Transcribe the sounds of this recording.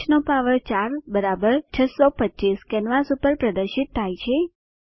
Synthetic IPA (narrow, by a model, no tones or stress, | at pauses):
ʃnopaʋəɭt͡ʃaɾbəɾabəɾt͡ʃʰəsopətːt͡ʃiskɛnʋasupəɾpɾəd̪əɾʃit̪ʰːajt͡ʃʰe